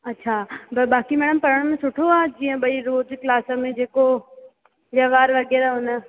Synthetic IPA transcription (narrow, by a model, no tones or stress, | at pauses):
ɐtːʃʰabɐɓaːkimɛ̃ːɽəmpɐɾəɽ̃mẽsʊʈʰoaːd͡ʑiːə̃ɓɐiɾoːd͡ʒklaːsəmẽd͡ʑeːko | ʋjɐʋaːɾʋɐɠɛːɾaɦʊnə